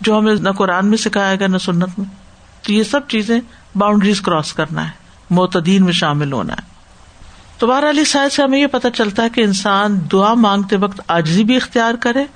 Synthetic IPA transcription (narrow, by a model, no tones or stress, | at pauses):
d͡ʒoːɦɐmẽnɐkʊɾaːnmẽsɪkʰaːeːɡanɐsʊnːət̪mẽ | t̪ojesɐb̚t͡ʃiːzẽ | baːʊ̃ɳɖɾizkɾɔːskɐɾna̰ɦɛː | mʊːt̪əd̪iːnmẽʃaːmɪlɦo̰ːna̰ɦɛː | t̪obaːɦɾalisaːseɦɐmẽjepɐt̪at͡ʃɐlt̪aɦɛkeɪnsaːnd̪ʊamãːŋɡ̚t̪eʋɐkt̪aːd͡ʒzibʱiɪxt̪ijaːɾkɐɾẽː